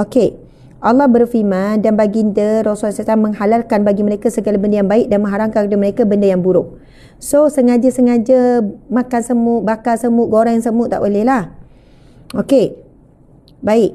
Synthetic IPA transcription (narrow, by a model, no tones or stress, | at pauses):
oke | ʔalːɔhbərfimãndanbaɡindəɾosasat̪aŋməŋhalalkanbaɡiməɾekasəɡalabəndəjaŋbaɪk̚danmə̃ŋɦaɾaŋkakdəməɾekabəndəjaŋbuɾʊʔ̚ | sosəŋad͡ʒasəŋad͡ʒəmãkansəmʊʔ̚bakasəmʊʔ̚ɡoɾajaŋsəmʊʔt̪ːa̰ʔbolɛhlah | oke | baɪʔ